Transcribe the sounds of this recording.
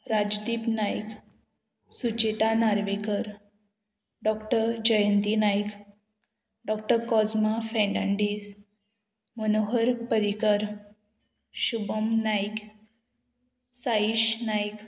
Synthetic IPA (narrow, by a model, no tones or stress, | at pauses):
ɾad͡ʑd̪ipnajk | sut͡ɕet̪anaɾʋekəɾ | ɖɔkʈəɾd͡ʑəjənt̪inajk | ɖɔk̚ʈəɾkɔd͡zmafɛ̃ɳɖãɳɖis | mənoɦəɾpəɾikəɾ | ɕubəmnajk | saiɕnajk